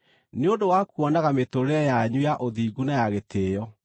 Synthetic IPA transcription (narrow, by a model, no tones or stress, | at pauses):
neodowakuɔnaɣametoɾeɛjaɲujaʔoðiːɡunajaɣetʰeːjɔ